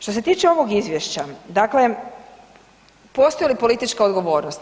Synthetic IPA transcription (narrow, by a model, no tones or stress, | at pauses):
ʃt̪o̞se̞t̪iːt͡ʃeo̞ʋo̞ɡizʋjeʃt͡ɕad̪akle̞ | po̞st̪ojelipo̞lit̪it͡ʃkaod̪ɡo̞ʋo̞ːɾnost̪